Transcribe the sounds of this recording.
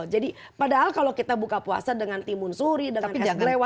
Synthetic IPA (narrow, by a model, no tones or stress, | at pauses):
d͡ʒadi | padaɦalkalokit̪abukapua̰sadəŋant̪imʊnsuɾidəŋankɛlewa